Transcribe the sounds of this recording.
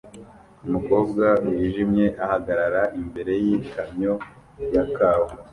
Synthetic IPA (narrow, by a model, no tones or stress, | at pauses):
umuko̞ːb̚ɡawiːʒimɲe̞ʔahaɡaɾaɾaʔimbe̞ɾe̞jikamɲo̞ | jakaːwo